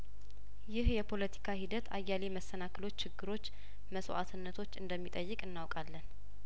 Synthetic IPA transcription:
jɪhjɛpʰo̞lət̪ʰi̥kʰahid̪ət̪ʰajːale̞məsːənakʰɨlo̞t͡ʃːt͡ʃʰːɪɡːɨɾo̞t͡ʃː | məswʔa̰t̪ʰɨnːət̪ʰo̞t͡ʃːɨnd̪əmːit̪ʼəjːɨkʼɨnːawkʼalːən

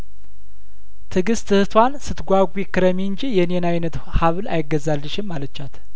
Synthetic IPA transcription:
t̪ʰɨɡɨst̪ʰɨhɨt̪ʰwansɨt̪ɡʷaɡʷikːɨɾəmiɨnd͡ʒijɛnenajnət̪ | haβla̰jɪɡːəzalːɨʃɪmːalət͡ʃːat̪

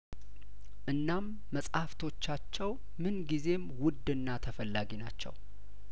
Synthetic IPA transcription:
ʔɨnːamːəsʼhaft̪ʰo̞t͡ʃːat͡ʃːɛw | mɨnɡize̞mwʊd̪ːɨnːat̪ʰəfəlːaɡinat͡ʃːɛ̰w

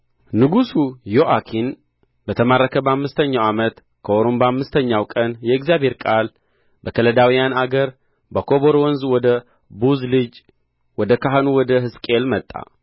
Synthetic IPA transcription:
nɨɡusujoʔakʰin | bət̪ʰəmaɾəkʰəbəamːɨst̪ʰəɲːawamət̪ | kʰəʔoɾombəamːɨst̪ʰəɲːawkʼənjɛɛɡzjabʱhe̞ɾkʼal | bəkʰələd̪awijanaɡəɾ | bəkʰoboɾonzwɔd̪ə | buzlɨd͡ʒ | wɔd̪əkaɦɨnuwɔd̪əɦɨskʼe̞lmət̪ʼːa̰

